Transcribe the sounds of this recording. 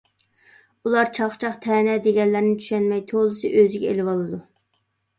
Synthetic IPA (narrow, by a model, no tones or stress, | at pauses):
ulˠɑɾt͡ʃʰɑχt͡ʃʰɑχt̪ʰɛːnɛd̪eɡʲɛnlːæɾnɪt̪ʰy̥ʃɛnmɛjt̪ʰolˠɨsɨʔøzɪɡʲɛḛlɪbɑlˠɨd̪u